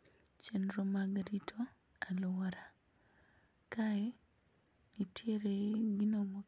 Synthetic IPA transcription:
t͡ʃendɾomaɡaɾitʰo | alowaɾa | kae | nitjeɾeɡinomo

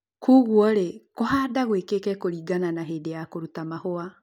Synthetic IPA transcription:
kʰuɣwɔɾekohaːdaɣwekekɛkoɾiːɡananaɦeːdejakoɾutamahoa

